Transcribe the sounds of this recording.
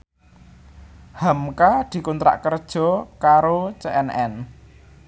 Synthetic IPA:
hamkad̪̥i̤kunt̪ɾa̰ʔkərd̥ʒ̥ɔ̤kaɾot͡ʃeɛnɛ̰n

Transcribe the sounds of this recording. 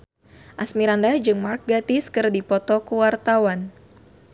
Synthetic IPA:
ʔasmiɾandad͡ʒɨŋmark̚ɡat̪iskɨrdipɔt̪ɔkuwart̪awan

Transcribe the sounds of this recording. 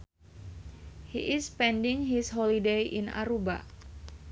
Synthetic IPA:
hiʔɪspɛndiŋɦisɦɔlideʔina̰ɾuba̰

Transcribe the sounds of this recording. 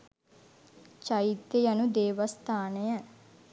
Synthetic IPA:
t͡ʃait̪ːjəjanud̪eːʋəst̪aːnəjə

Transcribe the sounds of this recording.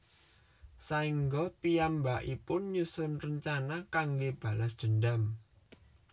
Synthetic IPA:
saiŋɡɔpijambaʔipʊnɲusʊnrəɲt͡ʃanakaŋɡeb̥a̤lasd̪̥ə̤nɖam

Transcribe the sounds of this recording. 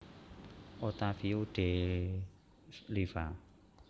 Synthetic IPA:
ot̪afiuɖ̥e | lifa

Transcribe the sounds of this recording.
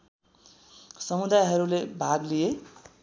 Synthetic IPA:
sʌmud̪ajɦʌɾulebʱaɡlije

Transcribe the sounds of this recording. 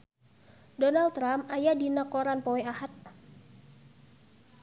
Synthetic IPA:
dɔnalt̪ːɾamajadinakoɾanpɔɛahat̪̚

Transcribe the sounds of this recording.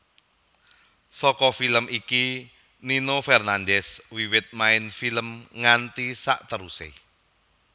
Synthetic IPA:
sɔkɔfiləmʔiki | ninofɛrnandɛswiwɪt̪̚maɪnfiləmŋant̪isa̰ʔt̪əɾusḛ

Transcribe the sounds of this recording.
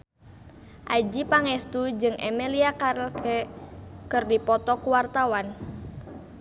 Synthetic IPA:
ʔad͡ʒipaŋɛst̪ud͡ʒɨŋʔɛ̰mɛliakaɾlk | kɨrdipɔt̪ɔkuwart̪awan

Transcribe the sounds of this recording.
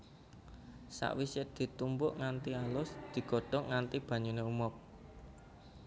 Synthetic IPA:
sa̰ʔwisɪd̪̥i̤t̪umbʊʔŋant̪ialʊsd̪̥i̤ɡ̥ɔ̤ɖ̥ɔ̤ŋant̪ib̥ä̤ɲuneumɔp̚

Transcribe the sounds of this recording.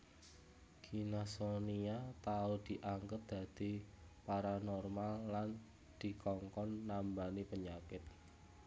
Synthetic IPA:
ɡ̥inasoniat̪aud̪̥i̤ʔaŋɡəp̪̚d̪̥ä̤d̪̥i̤paɾanɔrmalːan | d̪̥i̤kɔŋkɔnːambanipəɲakɪt̪̚

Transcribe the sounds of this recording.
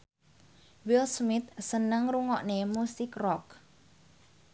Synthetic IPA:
wɪlsmɪt̪̚sənəŋruŋɔʔnemusɪkrɔk̚

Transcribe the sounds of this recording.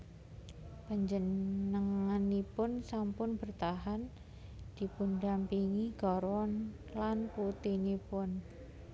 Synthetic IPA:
b̥əɲd͡ʒənəŋanipʊnsampʊnbərt̪aɦan | d̪̥i̤pundampiŋiɡ̥ɔɾwɔn | lanput̪inipʊn

